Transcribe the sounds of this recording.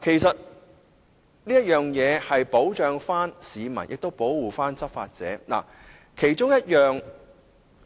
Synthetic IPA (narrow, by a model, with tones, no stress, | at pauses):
kʰe˨˩jsɐ˨t̚ | niː˥jɐ˥t̚jœː˨ŋjɛː˨˧hɐ˨jpo˨˥wt͡ʃœː˨˧ŋfaː˥nsiː˨˧mɐ̰˨˩njɪ̰˨k̚t̪o˥wpo˨˥wːuː˨faː˥nt͡sɐ˥t̚fa̰ː˧t̚t͡sɛ̰ː˨˥na̰˨˩ | kʰe˨˩jt͡ʃʊ˥ŋjɐ˥t̚jœː˨ŋ